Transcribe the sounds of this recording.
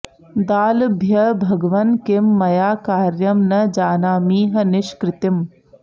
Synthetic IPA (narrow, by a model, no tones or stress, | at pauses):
d̪aːlbʱjɐbʱɐɡʋɐnkemːɐjaːkaːɾjɐmnɐd͡ʒaːnaːmiːɦɐ̆nɪʃkɾɪt̪ɪm